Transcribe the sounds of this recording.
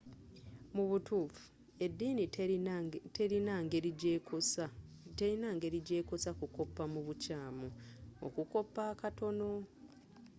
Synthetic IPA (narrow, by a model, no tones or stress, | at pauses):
muβutuːfu̥ | e̞dːiːni | teɾinaŋɡeɾieosa | te̞ɾinaŋɡe̞ɾiɟe̞ːkosakuko̞pːamuβucaːmuo̰kuko̞pːaːkato̞no̞